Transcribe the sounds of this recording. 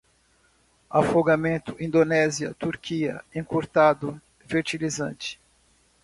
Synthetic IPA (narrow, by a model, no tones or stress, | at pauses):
afoɡamẽnt̪ʊʔĩnd̪onɛziɐ̰t̪uɾkiɐ̰ẽŋkoɾt̪ad̪ʊ | feɾt͡ʃilizɐ̰̃t͡ʃɪ̥